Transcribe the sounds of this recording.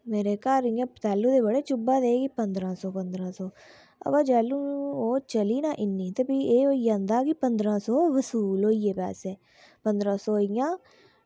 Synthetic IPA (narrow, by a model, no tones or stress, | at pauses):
meːɾeːkaːɾɪjãːpt̪ɛːlːuːd̪eːbəɽeːt͡ʃʊbãːd̪eːɡipənd̪ɾãːsɔːpənd̪ɾãːsɔː | ə̰baːd͡ʒɛːlːũːoːt͡ʃəliːnaːʔɪnːĩːt̪ebiːeːoːiːjãːnd̪aːkɪpənd̪ɾãːsɔːʋəsuːlɦoːiːeːpɛ̰ːseː | pənd̪ɾãːsɔːɪjãː